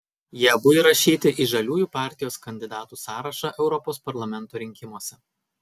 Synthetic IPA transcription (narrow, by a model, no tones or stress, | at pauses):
jiɛbʊɪɾɐʃʲiːt̪ʲɪʔiʒɐlʲuːjuːpɑˑɾʲt̪ʲɪjoːskɐnʲd̪ʲɪd̪ɑːt̪uːsɑːɾɐʃɑʔɛʊɾɔpoːspɐɾlˠɐmʲɛnˑt̪oːɾʲɪŋʲkʲɪmoɔsʲɛ